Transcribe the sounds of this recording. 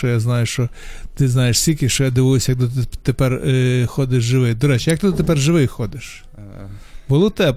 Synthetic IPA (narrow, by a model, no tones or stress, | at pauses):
t͡ʃɔjaznɑjʊʃt͡ʃɔ | t̪ɪznɑjeʃsʲtʲilʲkʲɪʃt͡ʃɔjad̪ɪʋɪjʊsʲɐjɐk̚d̪ɔt̪ɪt̪epɛrxɔd̪ɪʃʒɪʋɪjd̪ɔɾɛt͡ʃɪjɐk̚t̪ɪd̪ɔt̪epɛrʒɪʋɪjxɔd̪ɪʃ | bʊlˠʊt̪ɛb